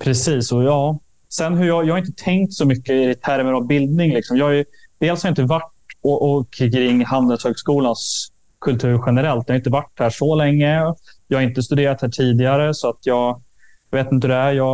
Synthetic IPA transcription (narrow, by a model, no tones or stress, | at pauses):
pʰɾɛsiːsɔjɑː | sɛnːɦɵɾjɑjɑːhaɾɪnt̪ət̪ʰɛŋkt̪sɔmʏkːəɪɾɪt̪ʰːæɾməɾɔbɪld̪̚nɪŋlɪksɔmjɑːhajɵd̪̥eːlshaɾjʏɪnt̪əvaʈ | ɔʔɔkʰːkɾɪŋːhand̪ɛlshøːɡskuːlans | kʰɵlt̪ʰʉ̟ːɾɧɛnəɾɛlt̪jɑhaɾɪnt̪əvaʈːhæːʂɔlɛŋːəjɑːhaɾɪnt̪əst̪ɵd̪eːɾat̪hæːʈʰiːd̪ɪaɾəsɔat̪jɑːɡ | jɑveːt̪ɪnəhɵd̪ɛæɾjɑː